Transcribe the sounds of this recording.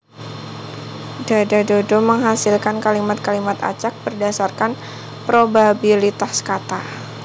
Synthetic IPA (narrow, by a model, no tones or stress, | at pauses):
dadadodoməŋɦasilkankalimat̪̚kalimat̪a̰t͡ʃak̚b̥ərdasarkan | pɾobabilit̪askat̪a